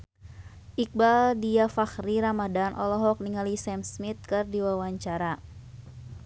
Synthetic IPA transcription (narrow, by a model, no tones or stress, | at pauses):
ʔik̚baldiafaxriɾamadanʔɔlɔɦɔk̚niŋalisɛmsmit̪̚kɨrdiwawaɲt͡ʃaɾa